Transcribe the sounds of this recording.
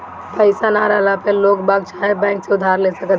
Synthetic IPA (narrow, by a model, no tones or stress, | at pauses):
pəɪsanaɾalapelokbaɡt͡ʃʰaɦebɛ̃ːŋkseʊd̪ʱaɾlesəkət̪